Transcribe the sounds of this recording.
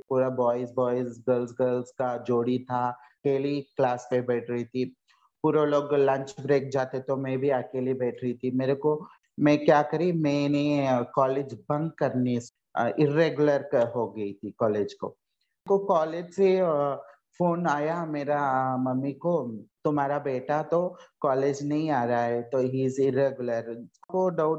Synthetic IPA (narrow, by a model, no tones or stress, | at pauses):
puːɾabɔːɪsbɔːɪzɡəlsɡəlzkad͡ʒoːɽit̪ʰa | keːliklaːspebɛːʈʰɾɐɦit̪ʰi | puːɾeloːɡlə̃ɲt͡ʃbɾeːk̚d͡ʒaːt̪et̪omɛ̃bʱiakelibɛːʈʰɾɐɦit̪ʰimeːɾeko | mɛ̃kjaːkɐɾimɛ̃nekɔːleːd͡ʒbɐ̃ŋɡ̚kɐɾne | ʔɪɾeɡjʊləɾkɦoɡɐit̪ʰikɔːleːd͡ʒko̰ | kokɔːleːd͡ʒse | foːnaːjameːɾamɐmːikot̪ʊmaːɾabeːʈat̪okɔːleːd͡ʒnɐɦĩaːɾaɦɛt̪oɦiːzɪɾeːɡjʊləɾkoɖaʊʈ